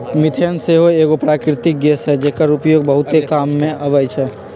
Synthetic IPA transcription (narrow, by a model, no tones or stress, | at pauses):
mɪt̪ʰjənseɦoeːkopɾaːkɾɪt̪ɪk̚ɡeːsɦɛd͡ʒeːkəɾʊpjoːɡbəɦʊt̪ekaːmːẽʔɐʋəjt͡ʃʰɛ